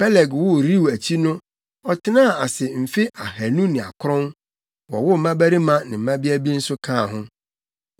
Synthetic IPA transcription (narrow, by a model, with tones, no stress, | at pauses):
pʰɛ˦lɛ˨ɡwʊ˦ɾi˦wæ˨t͡ɕʰi˦nʊ̃˦ | ɔ˨tʰɪ˦nã˦˨a˨sɪ˨m̩˨fɪ˦a˨hæ˨nũ˦nɪ̃˨a̰˨kʰʊ˦ɾɔ̃˦n | wɔ˨wʊ˦m̩˨˦mã˦bæ˦ɾi˦mã˦nɪ̃˨m̩˨mã˦bi˦æ˦bi˦n̩˦sʊ˦kʰã˦˨ɦʊ̃˦